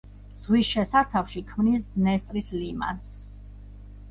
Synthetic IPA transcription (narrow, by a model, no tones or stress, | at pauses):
z̥ʁwisʃɛsaɾt̪ʰafʃikʰmnisd̪nɛst̪ʼɾislima̰ns